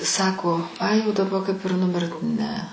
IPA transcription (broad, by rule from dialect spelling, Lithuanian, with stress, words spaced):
ˈsɑːkoː ˈɐɪ jɛʊ dɐˈbɐ kɐɪp ɪr nʊˈmʲɪrt ˈnʲɛ